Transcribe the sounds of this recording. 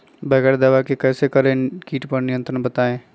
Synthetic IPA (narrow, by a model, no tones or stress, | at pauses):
bɛːɡəɽd̪aːʋakekɛːsekɐɾẽkiːʈpɐɾnɪjə̃nt̪ɾənbɐt̪aːẽː